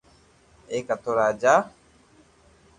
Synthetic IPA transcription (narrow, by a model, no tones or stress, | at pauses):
ekat̪oɾaːd͡ʒa